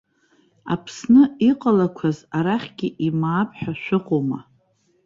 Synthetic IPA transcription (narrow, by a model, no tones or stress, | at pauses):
a̰pʰsnɨiqʼalakʷʰazaɾaχʲɡʲɪʔimaːpʰʼħᶣaʃᶣʷɨqʷʼoma